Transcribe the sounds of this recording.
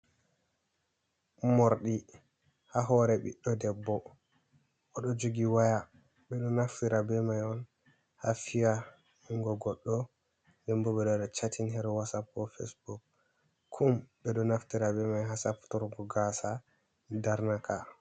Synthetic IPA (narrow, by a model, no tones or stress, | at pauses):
mɔɾɗi | haɦɔɾɛɓḭɗːɔdɛbːɔ | ʔɔɗɔd͡ʒoɡiwaja | ɓɛɗɔnaftiɾabɛmajɔn | hafija | iŋɡɔɡɔɗːɔ | dɛmbɔɓɛɗɔɗɔt͡ʃatʰinɦɛɾwasapːɔfḛsbuk̚ | kʰːumbɛɗɔnaftiɾabɛmajɦasaptɔɾɡɔɡasa | daɾnakʰa